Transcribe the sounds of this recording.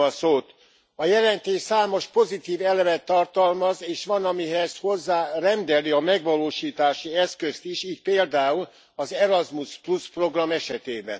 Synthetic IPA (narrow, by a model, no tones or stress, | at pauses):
ɒsoːt̪ | ɒjɛlɛnt̪eːʃsaːmo̞ʃpo̞zit̪iːvɛlɛvɛt̪ːɒrt̪ɒlmɒzeːʃʋɒnɒmiɦɛz̥ho̞zːaːrɛnd̪ɛliɒmɛɡʋɒloːʃiːt̪aːʃiɛskø̞st̪iʃiːc̪̚peːld̪aːul | ɒzɛɾɒzmuspluspro̞ɡrɒmɛʃɛt̪eːbɛ̰n